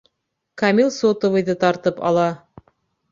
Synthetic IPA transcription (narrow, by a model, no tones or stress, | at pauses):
kamilˠsot̪ŏvɤ̆jðɤt̪ɑɾt̪ɤpɑ̰lˠɑ